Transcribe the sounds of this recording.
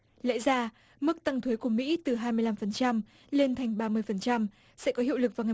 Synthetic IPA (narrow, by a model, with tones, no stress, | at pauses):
lɛ̰˧˥jzaː˧ | mɨ˦˥k̚t̪a˧ŋt̪ʰwi˨˦jku˧˩əmḭ˧˥t̪ɨ˨˩ɦaː˧jmɨ˧əjla˧mfə˨˩nt͡ɕa˧m | le˧nt̪ʰa˨˩jŋ̟ɓaː˧mɨ˧əjfə˨˩nt͡ɕa˧m | sɛ̰˧˥kɔ˨˦ɦḭ˧˨wlɨ˨˩k̚vaː˨˩wŋa˨˩˨